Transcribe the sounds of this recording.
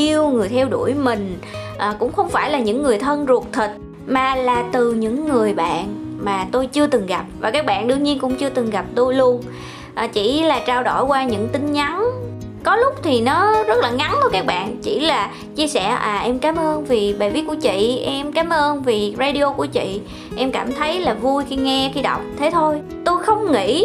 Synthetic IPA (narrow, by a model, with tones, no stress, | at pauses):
i˧əwŋɨ˨˩əjt̪ʰɛ˧wɗu˧˩əjmï˨˩ŋ̟ | ʔəː˨˩kʊ̰˧˥ŋ͡mxə˧wŋ͡mfaː˧˩jlaː˨˩ɲɨ̰˧˥ŋːɨ˨˩əjt̪ʰə˧nzu˨˩ət̚t̪ʰi˨˩t̚ | maː˨˩laː˨˩t̪ɨ˨˩ɲɨ̰˧˥ŋːɨ˨˩əjɓa̰ː˧˨nmaː˨˩t̪o˧jt͡ɕɨ˧ət̪ɨ˨˩ŋɣa˨˩p̚vaː˨˩kaː˦˥k̚ɓa̰ː˧˨nɗɨ˧əŋɲi˧ənkʊ̰˧˥ŋ͡mt͡ɕɨ˧ət̪ɨ˨˩ŋɣa˨˩p̚t̪o˧jlu˧ən | ʔaː˨˩t͡ɕḭ˧˩laː˨˩t͡ɕaː˧wɗo̰˧˩jkwaː˧ɲɨ̰˧˥ŋt̪ï˧ŋ̟ɲa˨˦n | kɔ˨˦lʊ˦˥k͡p̚t̪ʰi˨˩nɔ˨˦zə˦˥t̚laː˨˩ŋa˨˦nt̪o˧jkaː˦˥k̚ɓa̰ː˧˨nt͡ɕi˧˩laː˨˩ | t͡ɕi˧əsɛ̰˧˩ʔaː˨˩ʔɛ˧mkaː˨˦mʔəː˧nvi˨˩ɓa˨˩vi˨˦t̚ku˧˩ət͡ɕḭ˧˨ʔɛ˧mkaː˨˦mʔəː˧nvi˨˩zaː˧ɗi˧o˧ku˧˩ət͡ɕḭ˧˨ | ʔɛ˧mkaː˧˩mt̪ʰə˨˦jlaː˨˩vu˧jxi˧ŋɛ˧xi˧ɗa˨˩wk͡p̚t̪ʰe˨˦t̪ʰo˧j | t̪o˧jxə˧wŋ͡mŋḭ˧˥